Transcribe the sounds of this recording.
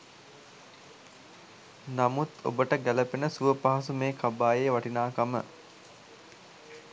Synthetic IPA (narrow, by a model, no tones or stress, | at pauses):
namut̪o̰bəʈəɡæləpenəsuʋəpaɦas̬umeːkabaːjeʋaʈinaːkamə̰